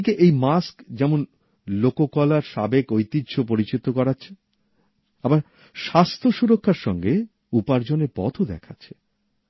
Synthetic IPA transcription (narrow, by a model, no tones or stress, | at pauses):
ikeʔejmaskd͡ʑɛmon | lokokɔlaɾʃabekojt̪idːɕʰopoɾit͡ɕit̪okɔɾatːɕʰe | abaɾ | ʃast̪ʰoʃuɾokʰːaɾʃɔŋɡe | upaɾd͡ʑonepɔ̰t̪ʰod̪ɛ̰kʰatːɕʰe̥